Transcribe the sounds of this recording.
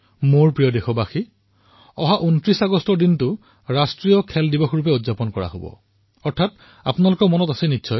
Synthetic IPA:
moɹpɹijɔdexɔbaxi | ɔɦaʔuntɹisaɡɔstɔɹdintʊ | ɹastɹijɔkʰɛldibɔxɹup̬ɛudzapɔnkɔɹa̰ɦo̰bɔ̰ | ɔɹtʰat | a̰pʊnalʊkɔmɔnɔtasɛnitːsʰɔj

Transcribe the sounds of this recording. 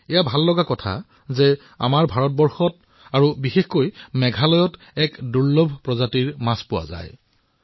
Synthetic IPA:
ɛjabʱalːɔɡakɔtʰa̰ | zɛ | a̰maɹbʱaɹɔt̚bɔɹxɔt | aɹubixexkojmɛɡʱalɔjɔt | ɛkduɹlobʱpɹɔzatiɹmaspʊwa̰za̰j

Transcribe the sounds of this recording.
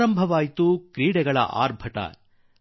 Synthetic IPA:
ɾɐmbʱɐʋaːjt̪ukɾiːɽɛɡɐɭɐ̰ʔa̰ːɾbʱɐt̪ɐ̰

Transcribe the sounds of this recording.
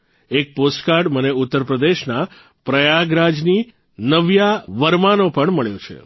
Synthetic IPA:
ek̚posʈkaɾɖməneut̪ːəɾpɾəd̪eʃna | pɾəjaɡɾad͡ʒni | nəʋjaʋəɾmanopəɳməɭjot͡ʃʰḛ

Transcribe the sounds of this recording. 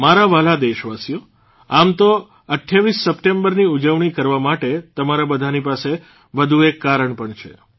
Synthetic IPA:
maɾaʋalad̪eʃʋasijo | amt̪o | əʈʰjaʋisːəpʈembəɾniud͡ʒəʋɳ̃ikəɾʋamaʈet̪əmaɾabəd̪ʱanipase | ʋəd̪ʱuekːaɾəɳpəɳt͡ʃʰḛ

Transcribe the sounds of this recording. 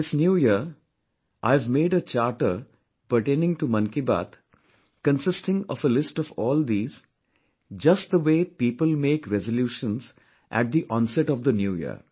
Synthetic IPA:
ɪsnjuːjiɾ | ʔaɪvmeːɖət͡ʃaːɾʈəɾ | pəɾʈẽːnɪ̃ŋʈumʌ̃nkiba̰ːt̪ | kə̃nsɪsʈɪ̃ŋɔ̰fəlɪsʈɔʋɔːld̪iːz̥ | d͡ʒʌsʈ̚d̪əʋeːpiːpəlmeːkɾɛzəljuːʃə̃nz | ʔæ̰ʈ̚d̪iʔɔ̃ːnsɛʈɔʋd̪ənjuːjḭ

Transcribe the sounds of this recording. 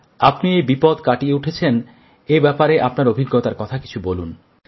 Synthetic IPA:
apniejbipod̪kaʈieuʈʰet͡ɕʰen | ebɛpaɾeʔapnaɾobʱiɡːot̪aɾkɔt̪ʰaki̥t͡ɕʰubolun

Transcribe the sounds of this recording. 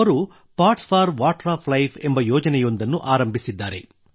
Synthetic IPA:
ɐɾu | paːʈspʰaːɾʋaːʈɾaːpʰlɐjpʰembɐjɔːd͡ʒɐnɛjund̪ɐnːuʔaːɾɐmbʱisid̪ːaːɾḛ

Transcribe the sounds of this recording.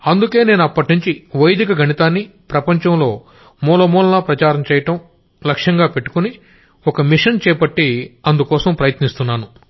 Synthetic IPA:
ɐnd̪uke̞ːne̞ːnuɐpːɐʈnuɲt͡ʃiʋɐjd̪ikɐɡʱɐɳit̪aːnːipɾɐpɐɲt͡ʃɐmlo̞ː | muːlɐmuːlɐnɐpɾɐt͡ʃaːɾɐmt͡ʃɛːjɐʈɐm | lɐkʂjɐŋɡaːpe̞ʈːu̥kuni | ɔkɐmiʂɐnt͡ʃɛːpɐʈːiɐnd̪ukɔːsɐmpɾɐjɐt̪nist̪unːaːnu

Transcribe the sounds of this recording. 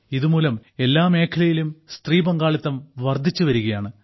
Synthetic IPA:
iðumuːlɐme̞lːaːme̞ːkʰɐlɐjilumst̪riːbɐŋɡaːɭit̪ːɐmʋɐrd̪ʱːit͡ɕːuʋɐɾuɣɐjaːɳɨ

